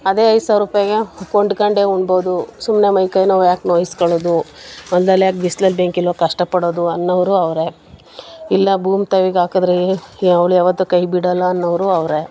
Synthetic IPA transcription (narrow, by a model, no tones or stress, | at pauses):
ɐd̪e̞ːɐjd̪saːʋɾuːpaːjɐɡekoɳɖkɐɳɖe̞uɳɖboːd̪usumnemɐjkɐjnɐʋjaːknoːjiskoɭoːd̪uɐnd̪lɐlːjaːk̚ʋisd̪ɐlbeŋkilʋɐkɐʂʈɐpɐɽoːd̪uɐnːɐʋɐɾuɐʋɾe | ilːɐbʱuːmt̪ɐʋiɡaːkɐd̪ɾeɐʋɭujaːʋɐt̪ːukɐjbiɽɐlːɐːnːɐʋɾuɐʋɾe̞